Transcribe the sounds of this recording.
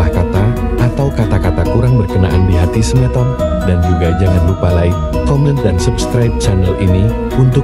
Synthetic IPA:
ahkat̪a | ʔat̪awkat̪akat̪akuɾaŋbərkənaʔandiɦat̪isənɛt̪ɔrdand͡ʒuɡad͡ʒaŋanlupalaj | kɔmɛ̃nt̪̚dansupskɾajp̚t͡ʃanəlini | unt̪ʊ

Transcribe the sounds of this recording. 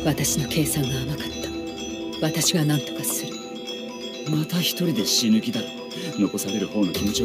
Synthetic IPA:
βat̪aɕinokʰe̞ːsãŋɡaːmakḁt̪ːḁ | βat̪aɕiβanãnt̪o̞̥kasɨɾɯ | mat̪açi̥t̪o̞ɾʲid̪e̞ɕinɯ̟kʲid̪aɾt̪o | no̞ko̞saɾe̞ɾɯ̟ho̞ːno̞kʲimo̞t͡ɕi

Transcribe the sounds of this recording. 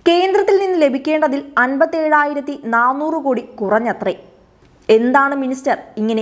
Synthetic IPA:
ke̞ːnd̪rɐt̪ːilninːɨle̞bʱikʲːe̞ːɳɖɐðilɐnbɐt̪ːie̞ːɻaːjiɾɐt̪ːinaːnːuːrɨkoːɽikurɐɲːɐt̪re | e̞nd̪aːɳɨministɐriŋːɐne

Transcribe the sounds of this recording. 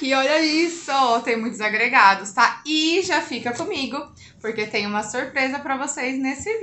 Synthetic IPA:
ɪɔʎɐisɔt̪ẽj̃ʊ̃mũj̃t̪ʊzaɡɾeɡad̪ʊst̪aɪʒafikɐkõmiɡʊ | poɾket̪ẽj̃ũmɐsuɾpɾezɐpɾɐvosejznesɪv

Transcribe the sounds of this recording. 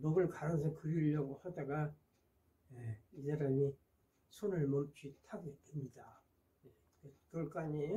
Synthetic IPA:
nʌɡɯɭkaɾɯnsʰʌkɯɾiʎːʌɡohadaɡa | jeid͡ʑaɾaɲi | sʰonɯɭmʌmt͡ɕ͈ʰitʰaɡedemɲida | je | kɯkɯʌɭk͈aɲe

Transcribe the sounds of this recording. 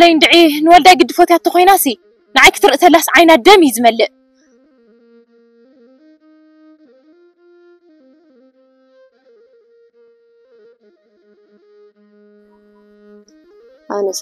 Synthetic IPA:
lɐjnd̪ɨʕinɨwɔld̪ajɡɨd̪ːɨfot̪iat̪ːɐxʰʷojnasi | nɨʕajkʰɨt̪ʰɨɾɨʔɨt̪ʰɐlasʕajnad̪ɐmizɨmɐlːɨʔ | anɐ

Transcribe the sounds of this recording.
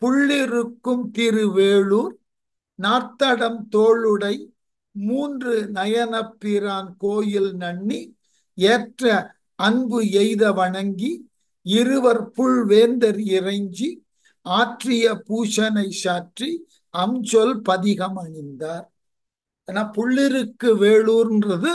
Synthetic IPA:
pʊɭːɪɾɯkːɯmt̪ɪɾɯʋeːɭuːɾ | naːt̪ːɐɽɐmt̪oːɭɯɽɐɪ | muːndrɯnɐjɐnɐpːɪɾaːnkoːjɪlnɐɳːi | eːʈrɐ | ɐnbɯɛɪðɐʋɐɳɐŋɡi | ɪɾɯʋɐɾpʊɭʋeːnd̪ɐɾɪrɐɪɲd͡ʒi | aːʈrɪjɐpuːʂɐnɐɪsaːʈri | ɐmd͡ʒɔlpɐðɪɣɐmɐɳɪnd̪aːɾ | eːnaːpʊɭːɪɾɯkːɯʋeːɭuːɾɪndrɐðɯ

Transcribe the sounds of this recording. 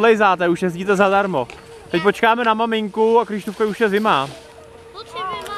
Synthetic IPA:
lɛjzaːt̪ɛuʃjɛz̬ɟiːt̪ɛzadaɾmo̞ | t̪ɛc̚po̞t͡ʃkaːmɛnamamɪŋkuakɾɪʃt̪ufkajuʃjɛzɪmaː

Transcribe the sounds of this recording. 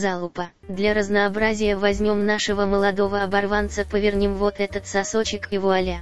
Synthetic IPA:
zalˠʊpə | d̪lʲaɾəznəːbɾazʲɪjəvɐzʲmʲo̞mnaʂɨvəməlˠɐd̪o̞vəɐbɐrvant̪səpəvʲɪrnʲimvo̞t̪ɛt̪ət̪sɐsot͡ɕɪkjɪvoɐlʲa

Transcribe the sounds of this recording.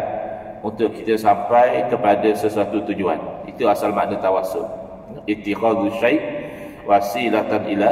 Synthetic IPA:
unt̪ʊʔkit̪əsampajkəpadəsəsuat̪ut̪ud͡ʒua̰nit̪uasalma̰ʔnãt̪awasʊ̰ʔ̚ | it̪ikad̪uʃajʔ | wasilat̪anila

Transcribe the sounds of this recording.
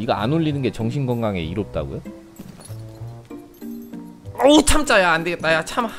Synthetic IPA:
iɡaa̰noʎːinɯnɡe̞t͡ɕʌŋɕʰinɡʌŋɡaŋe̞̰iɾop̚t͈a̰ɡo̰jo | ot͡ɕʰamt͡ɕ͈ajaandeɡet̚t͈ajat͡ɕʰam

